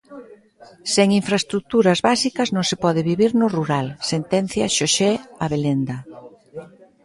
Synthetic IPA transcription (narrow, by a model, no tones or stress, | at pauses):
seŋiɱfɾaest̪ɾuk̚t̪uɾɐzβasikɐznõŋsepɔð̞ɪβiβiɾnʊruɾalsent̪ɛnθjaʃoʃeaβelend̪ɐ